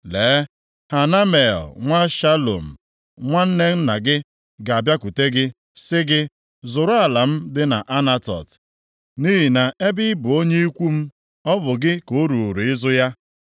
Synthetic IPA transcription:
le˨˦ | ha˨na˦me˨ɔ˨ŋʷa˦ʃa˦lo̰˨m̩˨ | ŋʷa˦n̩˦ne˦n̩˦na˨ɡɪ˦ | ɡa˨a˨bja˦kʷu˨te˦ɡɪ˦ | sɪ˦ɡɪ˦ | zʊ˨ɾʊ˦a˨la˨m̩˦dɪ˦na̰˨ʔa˦na˦tɔ̰˨t | ni˦ɦi˨na˨ʔe˦bɪ˦ɪ˦bʊ˨o˦ɲe˦i˦kʷu˦m̩˦ | ɔ˦bʊ˨ɡɪ˦ko˨˦ɾu˨ɾu˨ɪ˦zʊ˦ja˦

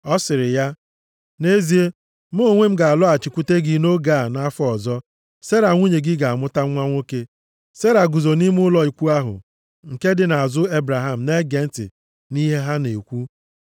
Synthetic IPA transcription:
ɔ˦sɪ˨ɾɪ˨ja˦ | ne˦zi˦e˦ | m̩˦o˦˨ŋʷe˦m̩˦ɡa˨a˨lɔ˦a˨t͡ʃɪ˨kʷu˦te˦ɡi˨no˦ɡa˦˨na˦fɔ˦˨zɔ˦ | se˦ɾa˨ŋʷu˦ɲe˨ɡɪ˦ɡa˨a˨mʊ˦ta˦ŋʷa˦ŋʷo˦ke˦ | se˦ɾa˨ɡu˨zo˨ni˦m˦ʊ˦lɔ˨i˨kʷu˦a˦ɦʊ̰˨ | ŋ̩˨ke˦dɪ˨na˨a˨zʊ˦e˦bɾa˨ɦa˦m̩˨ne˦ɡe˨n̩˦tɪ̰˨ | ni˦ɦe˦ɦa˦ne˨kʷu˦

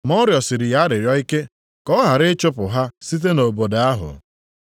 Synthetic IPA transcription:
mɔ˦ɾjɔ˨sɪ˨ɾɪ˨ja˦ɾɪ˨ɾjɔ˦i˦ke˦ | kɔ˦ɦa˨ɾɪ˦t͡ʃʊ˦pʊ˨ɦa˦si˦t̬e˦no˨bo˨da˨a˦ɦʊ̰˨

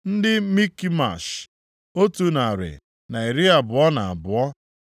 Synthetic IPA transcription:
n̩˦dɪ˦mi˦ki˦ma̰˨ʃ | o˦tu˦na˨ɾɪ̰˨ | na˨i˨ɾɪ˦a˨bʊ˨ɔ˦na˨a̰˨bʊ˨ɔ˦

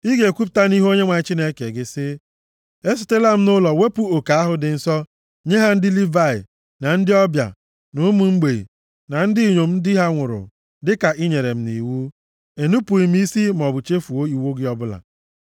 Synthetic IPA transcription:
i˦ɡe˨kʷu˦p̬̚ta˦ni˦ɦo˦ɲe˦ŋʷa˨ɲɪ˦t͡ʃi˦ne˦ke˨ɡɪ˦sɪ˦ | e˦s̬i˨te˦la˦m̩˦nʊ˦lɔ˨we˦pu˦o˨ka˨˦a˦ɦʊ˦dɪ˨n̩˦sɔ˦ | ɲe˦ɦa˦n̩˦dɪ˦li˦va˦˨ɪ̰˨ | na˨n̩˦dɪ˦ɔ˦bja̰˨ | nʊ˦mu˨ŋ͡m̩˦ɡ͡be˨ḭ˨ | na˨n̩˦dɪ˦i˨ɲo˨m̩˦dɦa˦ŋʷʊ˨ɾʊ̰˨ | dɪ˦ka˨ʔi˦ɲe˨ɾe˨m̩˦ni˨wu˦ | e˨nu˦pu˨i˨m˦i˦si˦m˨ɔ˨bʊ˨t͡ʃe˦fu˨o˦i˨wo˦ɡɪ˦ɔ˦bʊ˦la̰˨

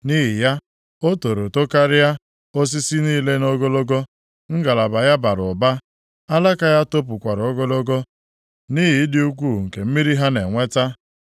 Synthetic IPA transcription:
ni˦ɦi˨ja˦ | o˦to˨ɾo˨to˦ka˦ɾɪ˦ja˦ | o˦s̬i˦si˦niː˦˨le˦no˦ɡo˦lo˦ɡo˦ | ŋ̩˦ɡa˨la˨ba˨ja˦ba˨ɾʊ˨ba˦ | a˦la˦ka˦ja˦to˦p̬ʊ˨kʷa˨ɾo˦ɡo˦lo˦ɡo˦ | ni˦ɦi˨˦dɪ˦u˦k̬ʷu˦˨ŋ̩˨ke˨m̩˦mi˦ɾi˦ɦa˦ne˨ŋʷe˦ta˦

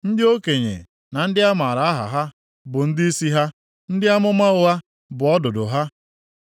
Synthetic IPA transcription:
n̩˦dɪ˦o˦ke˨ɲḛ˨ | na˨n̩˦dɪ˦a˦ma˨ɾa˨a˦ɦa̰˨ɦa˦ | bʊ˨n̩˦dɪ˦i˦si˦ɦa˦ | n̩˦dɪ˦a˦mʊ˦ma˦ʊ˦a˦ | bʊ˨ɔ˦dʊ˨dʊ˨ɦa˦

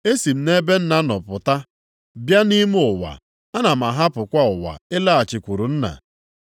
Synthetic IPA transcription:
e˦si˨m̩˦˨ne˦be˦n̩˦na˦nɔ˨pʊ˨ta˦ | bja˦ni˦mu˦ʊ˨wa̰˨ | a˦na˨m˨a˨ɦa˦pʊ˨kʷa˦ʊ˨wa̰˨e˦la˦a˨t͡ʃɪ˨kʷu˨ɾu˨n̩˦na̰˨

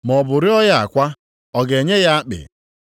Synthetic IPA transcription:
mɔ˨bʊ˨ɾɪ˦ɔ˦ja˦a̰˨kʷa˦ | ɔ˨ɡe˨ɲe˦ja˦a˦k͡pɪ̰˨

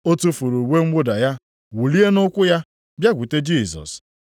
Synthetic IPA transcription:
o˦tu˦fu˨ɾu˨we˦ŋ͡m̩˦ɡ͡bʊ˦da˨ja˦ | wu˨li˦e˦nʊ˦kʷʊ˦ja˦ | bja˦ɡʷu˨te˦d͡ʒiː˦˨sɔ̰˨s

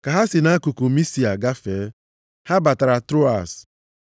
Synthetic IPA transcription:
ka˨ɦa˦sɪ˨na˦ku˨ku˨mi˦si˨a˨ɡa˦feː˨˦ | ha˦ba˨ta˨ɾa˨tɾo˦a̰˨s

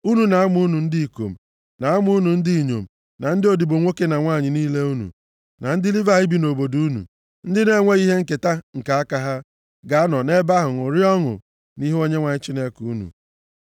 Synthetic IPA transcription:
u˦nu˨na˨a˦mʊ˦nu˨n̩˦di˦i˨ko̰˨m̩˨ | na˨a˦mʊ˦u˦nu˨n̩˦di˦˨ɲo̰˨m̩˨ | na˨n̩˦dɪ˦o˨di˨bo˨ŋʷo˦ke˦na˨ŋʷa˦˨ɲɪ˨niː˦le˦u˦nṵ˨ | na˨n̩˦dɪ˦li˦va˨ɣɪ˦bi˨no˨bo˨du˦u˦nṵ˨ | n̩˦dɪ˦ne˦ŋʷe˦i˦ɦe˦ŋ̩˦ke˨ta˦ŋ̩˨ka˨a˦ka˦ɦa˦ | ɡa˨a˦nɔ˨ne˦ba˦ɦʊ˨ŋʊ˨ɾi˦ɔ˦ŋʊ̰˨ | ni˦ɦo˦ɲe˦ŋʷa˨ɲɪ˦t͡ʃi˦ne˦ku˨u˦nṵ˨

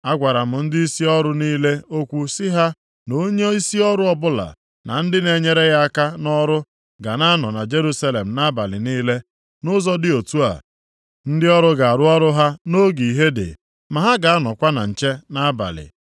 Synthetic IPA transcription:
a˦ɡʷa˨ɾa˨m̩ʊ˨n̩˦dɪ˦i˦si˦ɔ˦ɾʊ˦niː˦le˦o˦kʷu˦sɪ˦ɦa˦ | no˦ɲe˦i˦si˦ɔ˦ɾʊ˦ɔ˦bʊ˦la̰˨ | na̰˨n̩˦dɪ˦ne˨ɲe˦ɾe˦ɣa˦a˦ka˦nɔ˦ɾʊ˦ | ɡa˨na˦nɔ˨na˨d͡ʒe˦ɾu˦sa˦le˨m̩˨na˦ba˨lɪ̰˨niː˦le˦ | nʊ˦zɔ˦dɪ˦o˨tu˦a̰˨ | n̩˦dɪ˦ɔ˦ɾʊ˦ɡa˨a˨ɾʊ˦ɔ˦ɾʊ˦ɦa˦no˦ɡi˨i˨ɦe˦dɪ̰˨ | ma˨ɦa˦ɡa˨a˦nɔ˨kʷa˦na̰˨n̩˨t͡ʃe˦na˦ba̰˨lɪ̰˨

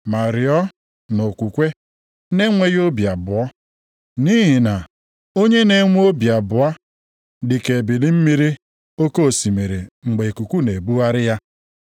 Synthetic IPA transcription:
ma˨ɾɪ˨ɔ˦ | no˨kʷu˨kʷe˦ | ne˦ŋʷe˦jo˦bja˨bʊ˨ɔ˦ | ni˦ɦi˨na˨ | o˦ɲe˦ne˦ŋʷ˦o˦bja˨bʊ˨a˦ | dɪ˨ke˨bi˨li˦m̩˦mi˦ɾi˦ | o˦ko˦˨si˨me˨ɾe˨ŋ͡m̩˨ɡ͡be˨e˨ku˨kʷu˦ne˨bu˦a˦ɾɪ˦ja˦

